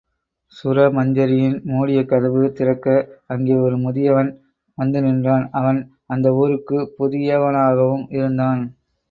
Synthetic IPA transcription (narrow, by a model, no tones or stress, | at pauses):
sʊɾɐmɐɲd͡ʒɐɾɪjɪnmuːɽɪjɐkːɐðɐʋɯt̪ɪɾɐkːɐɐŋɡeːjɐɔɾɯmʊðɪjɐʋɐn | ʋɐnd̪ɯnɪndraːnɐʋɐn | ɐnd̪ɐoːɾɯkːɯpʊðɪjɐʋɐnaːɣɐʋɯmɪɾɯnd̪aːn